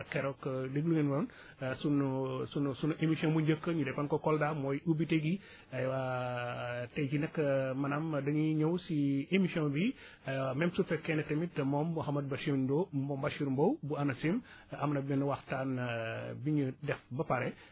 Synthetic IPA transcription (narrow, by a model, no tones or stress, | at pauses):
keɾokdəɡluŋenon | sunsunsunʔemisiɔ̃nbuɲɟəkːəɲudɛpɐnkokɔldamojubiteɡi | ɐjwa | ted͡ʒinɐkːmɐnamdɐɲiɲowsiemisiõnbi | ɐjwamɛmsufɛkːenɐtemitːmombuhamɐd̚bɐʃindombɔmbaʃiɾmbowbuanɐsim | ɐmnɐbinɐwaxtaːnbiɲudɛfbɐpaɾe